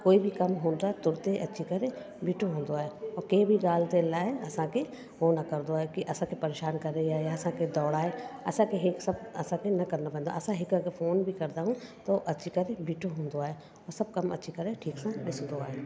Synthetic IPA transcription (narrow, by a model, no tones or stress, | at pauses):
koːibʱikɐmɦõːnd̪at̪ʊɾt̪eʔɐtːʃʰikɐɾe | bʱiːʈʰoɦõːnd̪oaːɦeɔːɾkebʱiɡaːlt̪elaːeɐsãke | ɦonɐkɐɾd̪oaːekiʔɐsãkepɐɾeːʃaːnkɐɾẽjaejaɐsãked̪ɔːɽaːeɐ̰sãkeɦɪksɐb̚ɐsãkenɐkɐɾnapɐ̃nd̪a̰ʔɐsãɦɪkakefoːnbʱikɐɾt̪aɦũt̪oʔɐtːʃʰikɐɾebʱiːʈʰoɦõːnd̪oaːe | ɔːɾsɐb̚kɐmɐ̰tːʃʰikɐɾeʈʰiːksãɗɪsd̪oaːɦeː